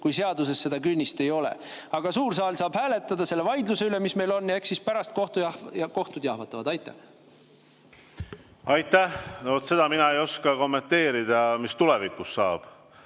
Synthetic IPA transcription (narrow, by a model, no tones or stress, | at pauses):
kujse̞ɑd̪use̞sːe̞d̪ɑkynʲːist̪e̞jo̞lḛɑɡ̥ɑsuːrs̬ɑːlsɑːb̥hæːle̞t̪ːˑɑd̪̥ɑse̞lːevɑjd̪luse̞yle̞misme̞jlo̞nːeksispæɾɑst̪̚ko̞ht̪ujɑko̞ht̪ud̪̥ʲjɑhvɑt̪ːˑɑvɑd̪̥ɑjt̪ːˑæ̰h | ɑjt̪ːæhnot̪se̞d̪̥ɑminɑejo̞skɑko̞mːe̞nt̪ːe̞ːɾid̪̥ɑmist̪ulevikˑusːɑːb̥